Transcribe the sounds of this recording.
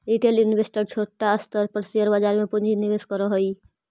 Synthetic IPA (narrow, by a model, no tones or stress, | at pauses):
ɾiʈeljunʋesʈəɾt͡ʃʰoːʈːaəst̪əɾpəɾsijəɾbad͡ʒaɾmẽpʊnd͡ʒʱiniʋeskɔɾɔɦoi